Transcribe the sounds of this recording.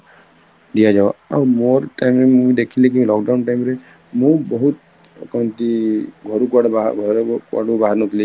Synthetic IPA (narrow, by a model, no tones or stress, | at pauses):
d̪ijad͡ʒaba̰wmoɾʈajmɾemũjd̪ekʰilik̬ilɔk̚ɖawnʈajmɾe | mũbɔɦut̪ | kɔnt̪iɡʱɔɾukuaɽaɡʱɔɾka̰ɽubaɦaɾnɔt̪ʰili